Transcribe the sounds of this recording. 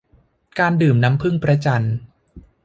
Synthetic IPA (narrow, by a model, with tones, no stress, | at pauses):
kaː˧ndɯː˨˩mna˦˥mpʰɯ˥˩ŋpɾa˦˧˥t͡ɕa˧n